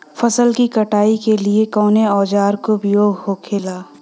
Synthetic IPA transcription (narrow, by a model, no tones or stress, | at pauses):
fɐsəlkikɐʈaːikeliekɔːneɔːd͡ʒaːɾkobɪjoːɡɦokʰeːlaː